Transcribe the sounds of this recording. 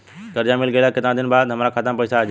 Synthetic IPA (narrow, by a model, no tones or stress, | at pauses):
ɡ̪əɾd͡ʒamilɡelaket̪nãd̪inbad̪ɦəmɾakʰat̪əmpəjsad͡ʒ